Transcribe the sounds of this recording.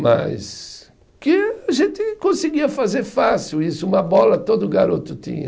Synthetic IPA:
ma̰js | kɪaʒẽnt̪ɪkõsɪɡiɐfazeɾfasiwisʊũmɐbɔlɐt̪od̪ʊɡaɾot̪ʊt̪ḭ̃ɲɐ̰

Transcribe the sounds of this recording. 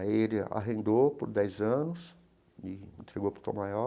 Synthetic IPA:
elɪa̰ɦẽnd̪opʊɾd̪ɛjzɐ̃nʊs | ɪḭ̃nt̪ɾeɡowpɾʊ̥t̪õ̰majɔ

